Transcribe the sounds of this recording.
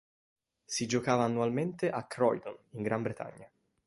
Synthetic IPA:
sid͡ʒokaːvaːnːualment̪eʔakɾɔjd̪oniŋɡɾʔambɾet̪a̰ɲːa

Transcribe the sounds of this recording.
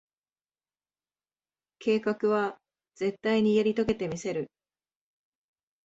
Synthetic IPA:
ke̞ːkakɯ̟βa | ze̞t̪ːaiɲ̟ijaɾʲit̪o̞ke̞t̪e̞mʲise̞ɾɯ̟

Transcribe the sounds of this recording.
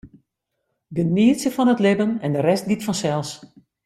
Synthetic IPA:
dəniəsəfɔnətlɪbənɛndərɛst̚ɡitfɔnsɛlˠs

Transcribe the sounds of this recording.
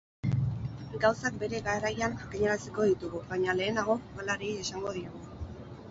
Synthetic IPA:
ɡawsak̚be̞ɾe̞ɣaerajanakiɲaɾasiko̞ðit̪uɣuβaɲale̞ːnaɣ̞o̞ɣalaɾiesaŋɡo̞ð̞iɾaɣu

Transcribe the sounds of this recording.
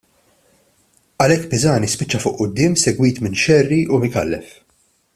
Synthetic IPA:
ɐlɛkːpɪzɐːnispɪt͡ʃːɐfʊʔʔʊd̪ːɪːmsɛɡwiːt̪mɪnʃɛrːiʔumɪkɐ̰lːɛ̰f

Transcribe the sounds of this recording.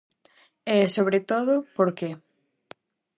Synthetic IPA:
ɛsoβɾet̪oðʊpoɾke

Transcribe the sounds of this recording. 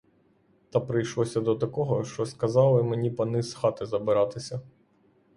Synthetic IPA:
t̪ɑpɾɪjʃlˠɔsʲɐd̪ɔt̪ɐkɔɦɔʃt͡ʃɔskɐzɑlˠɪmenʲipɐnɪsxɑt̪ɪzɐbɪɾɑt̪ɪsʲɐ

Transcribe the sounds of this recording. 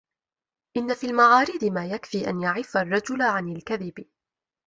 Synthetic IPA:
ʔɪnːafiːlmaʕaːɾɪd̪ɪmaːjakfiːʔa̰njaʕɪfarˤːɑd͡ʒʊlʕanalkaðɪbɪ

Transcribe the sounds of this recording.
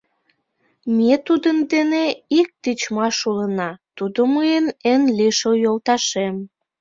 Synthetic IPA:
met̪ud̪ənd̪eneik̚t̪it͡ɕmɑʃulənɑt̪ud̪oməjənenliʃojolt̪ɑʃem

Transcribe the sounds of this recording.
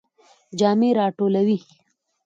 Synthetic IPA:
d͡ʒɑːmeɾɑːʈolawi

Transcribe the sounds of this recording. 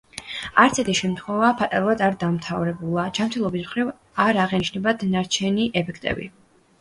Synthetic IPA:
aɾt̪sʰɛt̪ʰiʃɛmt̪ʰχwɛvapʰat̪ʼaɾuvˠad̪aɾd̪amt̪ʰavɾɛbulˠad͡ʒamt̪ʰɛlˠɔbismχɾiv | aɾaʁɛniʃnɛbad̪naɾt͡ʃʰɛniʔɛpʰɛkʰt̪ʼɛ̰bḭ

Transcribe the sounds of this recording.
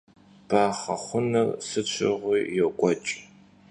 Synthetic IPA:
b̥aːχɐχʷʊnɨrsɨt͡ʃʷʰɪ̰ʁʷiːjɛkʷʼɔt͡ʃʼ

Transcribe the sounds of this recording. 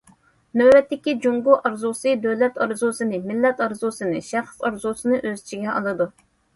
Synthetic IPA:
nøwːɛt̪ːɪkʲid͡ʒuŋɡʊʔɑɾzusɨd̪øwlɛt̪ɑɾzusɨnɨmɪlːɛt̪ɑɾzusɨnɨʃæχsɑɾzusɨnɨʔøzt͡ʃʰiɡʲɛʔɑ̰lˠɨd̪u

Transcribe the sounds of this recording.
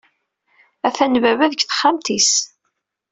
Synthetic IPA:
æθænvævæðəçθə̥χːamt̪is

